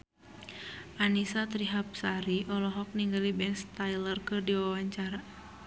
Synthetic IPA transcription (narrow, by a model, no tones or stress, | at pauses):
ʔanisat̪ɾiɦap̚saɾiʔɔlɔɦɔk̚niŋɡalibɛnst̪ajlərkɨrdiwawaɲt͡ʃaɾa